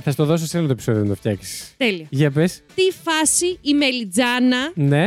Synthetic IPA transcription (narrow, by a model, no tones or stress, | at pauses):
θɐst̪oðo̞s̬osenɐlt̪oepi̥so̞ðioðnt̪oft̪çɐksi̥st̪eliɐʝɐpest̪ifɐsiːmelid͡zɐnɐne